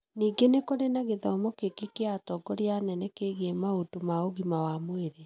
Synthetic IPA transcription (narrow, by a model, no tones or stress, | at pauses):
niːɡenekoɾenaɣeðaomokekikeatɔɡɔɾeanɛnɛkeɣemaotomaoɣimawamweɾe